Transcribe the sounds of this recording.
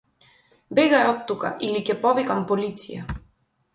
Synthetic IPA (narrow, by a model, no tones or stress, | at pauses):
bɛɡaɛɔt̪ːuka̰ʔilicʲɛpɔvikampɔlit̪sḭja̰